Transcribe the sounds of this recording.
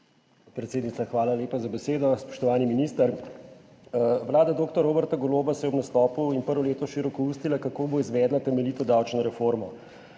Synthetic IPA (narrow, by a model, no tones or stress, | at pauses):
pɾɛt̪seːd̪nit̪axʋaːlaleːpazabɛseːd̪ɔspɔ̥ʃt̪ɔʋaːniminist̪əɾ | ʋlaːd̪ad̪oːk̚t̪ɔɾoːbəɾt̪aɡɔloːbasɛjɛɔbnast̪ɔːpuinpəɾʋɔleːt̪ɔʃiɾɔkɔuːst̪ilakakoːboizʋɛːd̪lat̪ɛmɛlit̪ɔd̪awt͡ʃnɔɾɛfoɾmɔ